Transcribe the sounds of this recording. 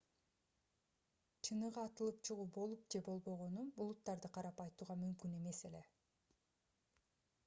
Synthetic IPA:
t͡ʃʰɯnɯʁɑːt̪ɯlˠɯp̚t͡ʃʰɯʁuːbo̞lˠup̚d͡ʒe̞bo̞lˠbo̞ʁo̞nuulˠut̪ːɑɾd̪ɯqʰɑɾɑpɑjt̪uːʁɑmymkyne̞me̞se̞le̞

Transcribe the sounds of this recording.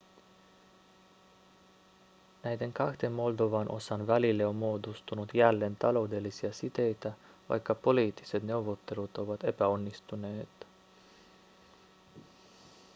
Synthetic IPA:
næjd̪e̞ŋkɑxd̪̥e̞mmo̞ld̪o̞ʋɑnʔo̞̰sɑnʋælilːeo̞mmoːd̪ust̪unut̪jælːe̞nt̪ɑlo̞wde̞lːisiɑsit̪e̞jt̪æ | ʋɑ̰jkːɑpo̞liːt̪ːi̥se̞t̪ne̞wʋo̞t̪ːe̞lut̪o̞ʋɑt̪e̞pæo̞nːist̪une̞ːt̪

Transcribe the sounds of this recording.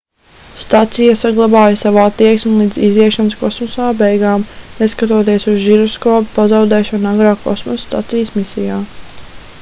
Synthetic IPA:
st̪at̪sijasaɡlˠɑbaːjasavuat̪ːiɛksmulˠiːd̪ziziɛʃanskɔsmɔsaːbɛjɡaːmnɛskat̪uɔt̪iɛsuzʒiɾɔskɔːpu̥pazawd̪ɛːʃɔnaɡɾaːkɔ̰smɔsːt̪a̰t̪sijəsmisijaː

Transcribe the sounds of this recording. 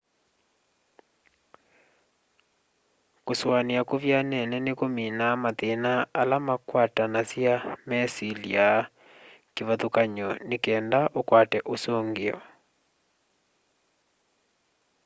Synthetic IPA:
koswaneakoβjanɛnɛnekominamatenaːlamakwatanasjamɛsilḭa | keβaðokaɲɔnekɛːndaʔokwatɛʔosoːŋɡeɔ̰

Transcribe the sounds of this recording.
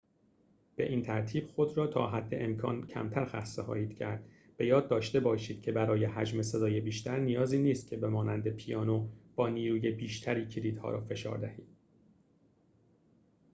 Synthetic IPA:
b̥e̞ʔiːnt̪ʰæɾt̪ʰiːb̥xo̞d̪ɾɒːt̪ʰɒ̰ːɦæd̪ːe̞ʔemkʰɒ̰ːncʰæ̰mt̪ʰæɾxæ̰sːexɒ̰ːjiːd̪̥cʰæɾd̪̥ | be̞jɒːd̪̚ːɒːʃt̪e̞bɒːʃiːd̪̥̚cʲʰe̞bæɾɒːje̞hæd͡ʒme̞sed̪ɒːje̞biːʃt̪æɾnijɒːziːniːst̪̚cʲʰe̞bemɒːnænd̪e̞pʰijɒːnob̥ɒːniːɾuːje̞biːʃt̪ʰæɾiːcʰiɾiːd̪̥hɒ̰ːɾɒ̰ːfe̞ʃɒ̰ːɾd̪æhiːd̪̥

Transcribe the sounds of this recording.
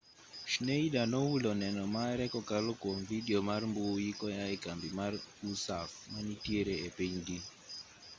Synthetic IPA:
ʃneidanɔulɔnɛnɔmaɛɾɛkɔkalokwomvidiomarmbujikɔjaɪkambimarusafmanitjeɾeepeɲɡi

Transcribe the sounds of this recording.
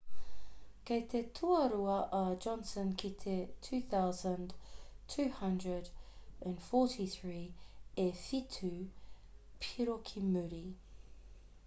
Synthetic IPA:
kʰet̪ʰetʰuəɾuəʔəd͡ʒɒ̃nsə̃nkʰitʰetʰʉːθaʊzə̃ntʰʉːhʌ̃ndɹədə̃nfɔˑtʰiθɹiːɛfitʰʉ | pʰiɹokʰimʉɾi

